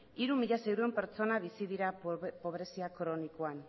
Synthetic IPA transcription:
iɾumiʎase̞wɾue̞mpe̞ɾt͡so̞naβ̞isiðiɾapo̞β̞ɾe̞siakɾo̞nikoan

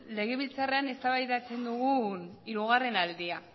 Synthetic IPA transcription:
le̞ɣ̞e̞βilt͡sare̞ane̞st̪aβajðat͡se̞nd̪uɣ̞uniɾuɣ̞are̞nald̪ia

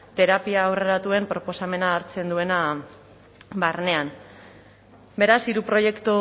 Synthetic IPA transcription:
t̪e̞ɾapiaːwre̞ɾat̪ue̞mpɾo̞po̞same̞naːɾt͡se̞nd̪ue̞na | barne̞an | be̞ɾasiɾupɾo̞je̞kt̪u

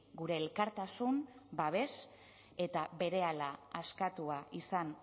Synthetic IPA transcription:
ɡuɾe̞ːlkaɾt̪asumbaβ̞e̞s | e̞t̪aβe̞ɾe̞alaaskat̪uaisan

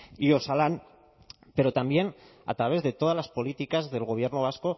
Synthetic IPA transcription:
io̞salan | pe̞ɾo̞t̪ambje̞n | a̰t̪ɾaβ̞e̞zðe̞t̪o̞ð̞azlaspo̞lit̪ikazðe̞lɣo̞β̞je̞ɾnoβ̞asko̞

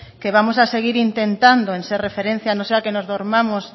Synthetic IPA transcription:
keβamosaseɣ̞iɾint̪ent̪and̪oẽnserefeɾẽn̟θjanõseakenozðoɾmamos

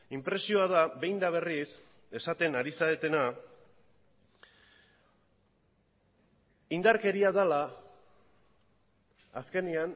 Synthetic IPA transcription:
impɾe̞sio̞aðaβe̞jnd̪aβ̞e̞ris | e̞sat̪e̞naɾisaet̪e̞na | ind̪aɾke̞ɾiaðala | aske̞nian

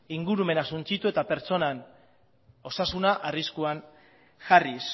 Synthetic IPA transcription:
iŋɡuɾume̞nasunt͡sit̪ue̞t̪ape̞ɾt͡so̞nan | o̞sasunaʔariskuan | ʝaris

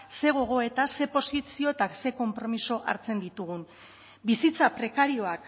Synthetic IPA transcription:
se̞ɣ̞o̞ɣ̞o̞e̞t̪ase̞po̞sisio̞et̪akse̞ko̞mpɾo̞miso̞ʔa̰ɾt͡se̞nd̪it̪uɣ̞un | bisit͡sapɾe̞kaɾio̞ak

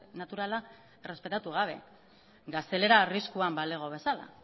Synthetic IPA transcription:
nat̪uɾala | ere̞spe̞t̪at̪uɣ̞aβ̞e̞̰ | ɡast̪e̞le̞ɾaːriskuambaleɣ̞o̞β̞e̞sala̰

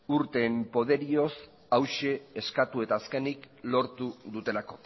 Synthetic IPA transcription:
uɾt̪e̞mpo̞ð̞e̞ɾio̞s | awʃe̞ːskat̪ue̞t̪aːske̞nik | lo̞ɾt̪uðut̪e̞lako̞

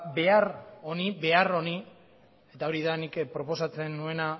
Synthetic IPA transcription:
be̞aro̞niβe̞aro̞ni | e̞t̪ao̞ɾiðanikpɾo̞po̞sat͡se̞nːue̞na

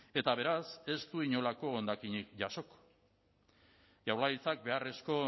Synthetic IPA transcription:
e̞t̪aβ̞e̞ɾase̞st̪uiɲo̞lako̞ond̪akiɲik̚ʝaso̞ko̥ | ʝawlajt͡sak̚be̞are̞sko̞

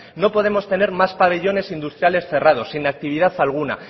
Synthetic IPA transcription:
no̞po̞ðe̞mo̞st̪e̞ne̞ɾmaspaβ̞e̞ʎo̞ne̞sind̪ust̪ɾjale̞sθe̞rað̞o̞sːinak̚t̪iβið̞aθalɣ̞una̰

